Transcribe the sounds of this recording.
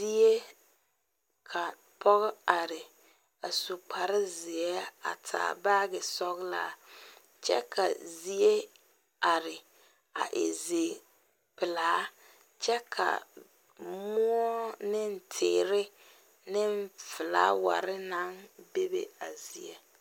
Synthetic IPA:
zi˦e˦ | kʰa˨ | pʰɔ˦ɣɪ˦a˨ɾɪ˨ | a˨su˨k͡pʰa˨ɾɪ˦zɪ˨ɛ˦a̰˨tʰa̰ː˨ba˦ɣɪ˨sɔ˦ɣla̰˦ | t͡ʃɛ̰˦kʰa̰˨zi˦e˦ | a˨ɾɪ˨ | a̰˨ʔḛ˨ze˨ | pɪ˨laː˦ | t͡ʃɛ˦kʰa̰˨ | mʊ˦ɔ˦nɪ˦n̩˦tʰɪ̰ː˨ɾɪ˦ | nɪ˦m˦fɪ˨la̰ː˦wa̰˨ɾɪ˦na˦nbe˦bḛ˨a˨zi˨ḛ˦

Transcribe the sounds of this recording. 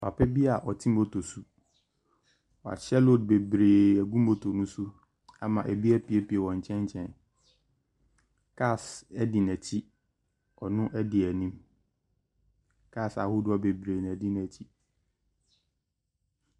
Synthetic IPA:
pa̰˨pʰɛ˦bi˦a˨ʔɔ˨tʰĩ˦m˦o˦tʰo˨su˨ | wa̰˨t͡ɕʰɛ˦lo˦˨d̚be˨bɾeː˨ɛ˨ɡũ˦m˦o˨tʰo˨nũ˦su˦ | a˨mã˨ʔæ˨bi˦ɛ˦pi˨e˦pi˨e˨wɔ̃˨ɲ˨t͡ɕʰɛ̃˦ɲ˦t͡ɕʰɛ̃˨˦n | kʰa˦˨sɛ˦dɪ˨nɛ̃˨t͡ɕʰi˦ | ɔ˨nʊ̃˦ʔɛ˦dɪ˨ɛ˨nĩ˦m | kʰa˦˨sa̰˨hʊ˦dʊ˨˦ɔ˦be˨bɾeː˨nɛ̃˨dɪ˦n˨ɛ˨t͡ɕʰi˦

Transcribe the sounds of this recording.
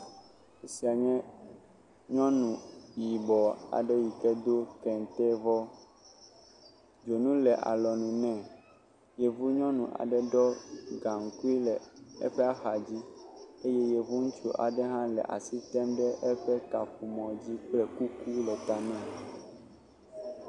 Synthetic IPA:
e˦si˦a˨ɲɛ̃˦ | ɲɔ̃˦nũ˨ji˨bɔ˨a̰˨ɖɛ˦ji˨kɛ˦d̪o˦kɛ˨n˨t̪ɛ˦vɔ˦ | d͡ʒo˨nũ˦lɛ˨ʔa̰˨lɔ˨nũ˨nɛ̃˨ | jɛ˨vu˦ɲɔ̃˦nũ˨ʔa̰˨ɖɛ˦ɖɔ˦ɡa˨ŋ˨ku˦i˦lɛ˨ɛ̰˦ɸɛ˦a˦xa˨d͡ʑi˦e˦jɛ˦je˨vu˦ŋũ˦t͡ʃo̰˦ʔa̰˨ɖɛ˦ɦã˦lɛ̰˨ʔa̰˨si˦t̪ɛ˦mɖɛ˦ʔɛ˦ɸɛ˦ka˨ɸu˨mɔ̃˨d͡ʑi˦k͡plɛ˨ku˦ku˦lɛ˨t̪a˨nɛ̃˦˨

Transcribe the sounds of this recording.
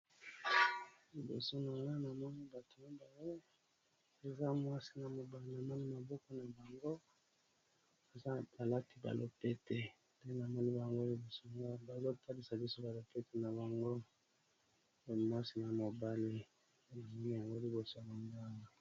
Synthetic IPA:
li˨bo̰˨so˦na˨ŋɡa˦na˨mɔ˦ni˦ba˨to˨ni˦ba˨ŋo˦ | e˨za˦mwa˦si˨˦na˨mo˨ba˦li˨na˨mɔ˦ni˦ma˨bɔ˦kɔ˦na˨ba˨ŋɡo˦ | a˨za˦ba˨la˦ti˨˦ba̰˨lʔo̰˦pe˦te˨ | da˦na˨mɔ˦ni˦ba˨ŋɡo˦li˨bo˨so˦˨ŋɡa˦ba˨lo˦tʰa˦li˨sa˨bi˦so˦ba˨lo˨pe˦te˨na˨ba˨ŋɡo˦˨ | mwa˦si˦na˨mo˨ba˦li˨ | e˨lo˨mi˦ja˨ŋɡo˦li˨bo˨so˦ja˨ma˨ŋɡa˦a˨

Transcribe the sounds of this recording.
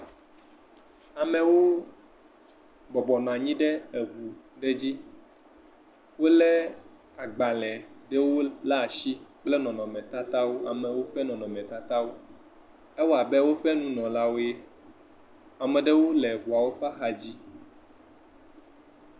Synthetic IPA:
a˨mɛ̃˨wo˦ | bɔ˨bɔ˨nɔ̃˨a˨ɲĩ˦ɖɛ˦e˨ɣu˨ɖe˦d͡ʑi˦ | wo˦lɛ˦ | a˨ɡ͡ba˨lɛ˨ɖe˦wo˦la˦˨ʃi˦k͡plɛ˦nɔ̃˨nɔ̃˨mɛ̃˨t̪a˦t̪a˦wo˦a̰˨mɛ̃˨wo˦ɸɛ˦nɔ̃˨nɔ̃˨mɛ̃˨t̪a˦t̪a˦wo˦ | ɛ˦wɔ˦a˨bɛ˦wo˦ɸɛ˦nũ˦nɔ̃˨la˦wo˦je˦ | a˨mɛ̃˨ɖe˦wo˦lɛ˨ɦu˨a˨wo˦ɸa˦xa˨d͡ʑi˦

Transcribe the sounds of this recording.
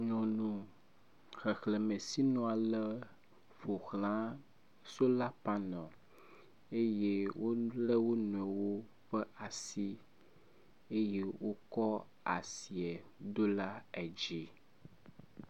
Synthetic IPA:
ɲɔ̃˨nũ˨ | xɛ˨xle˨mẽ˨si˦nɔ̃˦a˨lə˦ | fo˨xlã˦ | so˦la˦pa˦nɔ̃˨ | e˦je˦wo˦le˦wo˦nũ˨ɛ˨wo˦ | ɸɛ˦ʔa˨si˦ | e˦je˦wʔo˦kɔ˦ | a̰˨si˨ɛ˨d̪o˦la˦ɛ˨d͡ʒi˦

